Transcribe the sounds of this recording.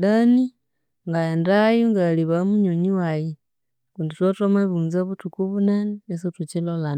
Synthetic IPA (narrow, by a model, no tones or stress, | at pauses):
dani | ŋɡaendajuŋɡaliβamuɲoɲiwaji | kunditwatomaβuːnzaβutukuβunaniesotut͡ʃilola